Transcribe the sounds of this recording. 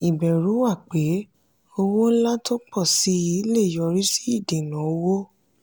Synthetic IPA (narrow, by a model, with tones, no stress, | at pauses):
i˨bɛ˨ɾu˨˦wa˦˨k͡pe˨˦ | o˧wo˦n̩˦la˦to˦k͡pɔ˦˨si˨˦i˨˦le˦˨jɔ˧ɾi˦si̥˦i˦˨de˨nã˨˦o˦wo˦